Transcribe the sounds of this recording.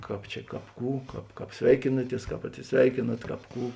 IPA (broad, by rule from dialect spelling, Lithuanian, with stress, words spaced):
ˈkɑːp t͡ʃʲɛ ˈkɑːp ˈkuː ˈkɑːp ˈkɑːp ˈsʲʋʲɛɪkʲɪnɐˌtʲiɛs ˈkɑːp ɐtʲsʲɪsʲˈʋʲɛɪkʲeːnɐt ˈkɑːp ˈkuː